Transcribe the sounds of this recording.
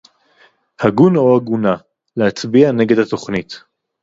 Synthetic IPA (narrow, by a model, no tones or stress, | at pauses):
haɡunoaɡuna | lehat͡sbiane̞ɡe̞dhato̞χnit